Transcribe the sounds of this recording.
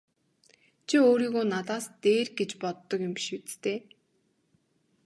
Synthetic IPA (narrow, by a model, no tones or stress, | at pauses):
t͡ɕʰioːɾiːɣoːnat̪aːst̪eːrɡet͡ɕpɔt̪ːɞ̆kjʊmpi̥ʃut͡st̪eː